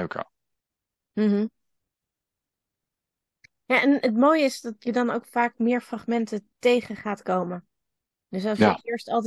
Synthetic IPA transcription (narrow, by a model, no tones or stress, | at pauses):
ka̰ | m̩ɦ̩ | jaːʔɛnətmoːjəɪsdɑtjədɑnowkfaːk̚mɪːɹfraχmɛntətejχəχaːtkowmən | d̥ɵsɑlsəɪɹstɑlˠt